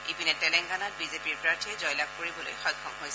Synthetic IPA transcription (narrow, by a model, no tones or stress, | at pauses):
ipinɛtɛlɛŋɡanat̚bizepiɹpɹaɹtʰiɛzɔjlab̚koɹibɔlo̰jxɔjkʰːɔmɦojs